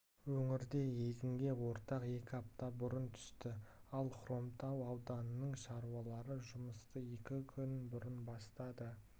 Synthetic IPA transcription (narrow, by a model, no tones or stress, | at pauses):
wɵŋɪɾd̪e̞je̞ɡ̪ɪŋɡʲe̞wo̞ɾt̪ɑqe̞kʲɪɑp̚t̪ɑbʊɾənt̪ʰʏ̥st̪ɪɑlˠχro̞mt̪ɑwɑwd̪ɑnənəɴʃɑɾuɑlˠɑɾəʒʊməst̪əe̞kʲɪkʲʰʏnbʊɾənbɑst̪ɑd̪ə